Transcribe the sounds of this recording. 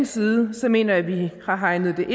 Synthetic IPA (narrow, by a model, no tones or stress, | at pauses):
nsiːð̩ˠəsɒ̽me̝̰ːnɐjæʋihɑ̈ɦɑ̈ɪnð̞̩ˠd̥e̝ʔ